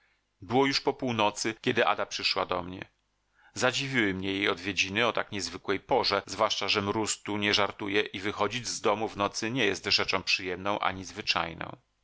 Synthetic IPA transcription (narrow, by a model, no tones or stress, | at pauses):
bɘwɔjuʂpɔpuwnɔt̪sɘkʲɛd̪ɘʔa̰d̪apʂɘʂwa̰d̪ɔmɲɛ̰ | zad͡ʑivʲiwɘmɲɛjejɔd̪vʲjed͡ʑinɘɔt̪akɲɛzvɘkwɛjpɔʐɛzvwaʂt͡ʂaʐɛmɾust̪uɲɛʐaɾt̪ujɛʔivɘxɔd͡ʑid͡ʑzd̪ɔmuvnɔt̪sɘɲɛjɛst̪ʐɛt͡ʂɔ̃w̃pʂɘjɛmnɔ̃w̃ʔa̰ɲizvɘt͡ʂa̰jnɔ̰̃w̃